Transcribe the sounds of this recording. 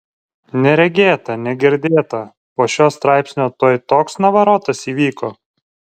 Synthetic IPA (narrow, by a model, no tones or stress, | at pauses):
nʲɛɾʲɛɡʲeːt̪ɐnʲɛɡʲɛɾʲd̪ʲeːt̪ɐ | poːʃʲoːst̪ɾɑˑɪpʲsʲnʲoːt̪oːjt̪oːksnɐʋɐɾoːt̪ɐsiːʋʲiːkoː